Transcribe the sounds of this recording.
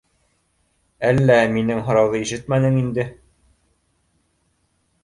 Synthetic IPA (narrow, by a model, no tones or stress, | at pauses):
ælːæminɘŋɦɤ̆ɾɑwðɤiʃɘt̪mænɘŋind̪ɘ